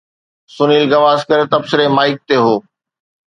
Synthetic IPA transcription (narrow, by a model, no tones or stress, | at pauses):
sʊniːlɡɐʋaːzkɐɾet̪ɐbsɪɾemaːɪk̚t̪eɦoː